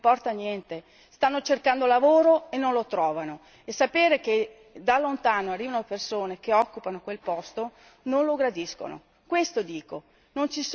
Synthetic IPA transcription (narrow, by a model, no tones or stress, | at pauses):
pɔrt̪anjɛnt̪e | st̪anːot͡ʃerkand̪olavoːɾoenːonlot̪ɾɔːvano | esːapeːɾeke | d̪alːont̪aːnoarːiːvanopersoːnekeɔkːupanokwelpɔst̪o | nonloɡɾad̪isko̰no̰ | kwest̪od̪iːko | nont͡ʃis